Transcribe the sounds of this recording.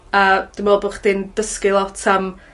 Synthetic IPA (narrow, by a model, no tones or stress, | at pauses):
əːd̥ɪmɔlˠboχd̥ind̥əskɪlˠɔtʰam